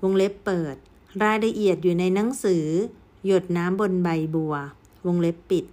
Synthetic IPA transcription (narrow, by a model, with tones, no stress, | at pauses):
wo˧ŋle˦˥pːɤː˨˩t̪̚ | ɾaː˧jla˧ʔi˨˩ət̪̚juː˨˩na˧jna˩˦ŋsɯː˩˦ | jo˨˩t̪̚naː˦˥mbo˧nba˨˩jbu˨˩ɐ | wo˧ŋle˦˥pːi˨˩t̪̚